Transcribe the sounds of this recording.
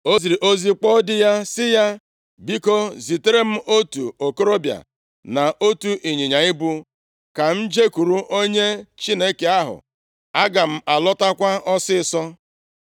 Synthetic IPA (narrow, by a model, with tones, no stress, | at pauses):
o˦zi˨ɾi˨ʔo˦zi˦k͡pɔ˦dɪ˦ja˦sɪ˦ja˦ | bi˦ko˦zi˨te˦ɾe˦m̩˦ʔo˦tu˨o˨ko˦ɾo˦bja̰˨ | na˨ʔo˦tu˦ʔi˨ɲi˨ɲa˨ɪ˦bu˦ | ka˨n̩˦d͡ʒe˦ku˨ɾu˦ʔo˦ɲe˦t͡ʃi˦ne˦ke˦a˦ɦʊ̰˨ | a˦ɡa˨m̩˦a˨lɔ˦ta˦kʷa˦ʔɔ˦sɪ˦˨sɔ˦